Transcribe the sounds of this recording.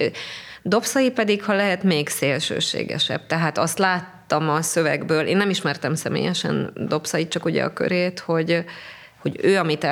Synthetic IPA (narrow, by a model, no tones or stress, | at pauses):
d̪o̞psɒjipɛd̪ikhɒlɛɦɛt̪meːɡseːlʃø̰ːʃḛːɡɛ̰ʃɛ̰b̥̚t̪ɛɦaːt̪ɒst̪laːt̪ːɒmɒsøvɛɡbøːleːnːɛmiʃmɛrt̪ɛmsɛmḛːjɛʃɛ̰nd̪o̞psɒjit͡ʃɒkuɟɛ̰ɒ̰kø̰ɾeːt̪ho̞ɟ | ho̞ɟøːɒmit̪ɛ